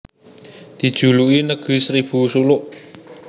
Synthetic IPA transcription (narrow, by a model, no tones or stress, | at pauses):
d̪̥i̤d̥ʒ̥ṳluinəɡ̥i̤sɾib̥ṳsulʊʔ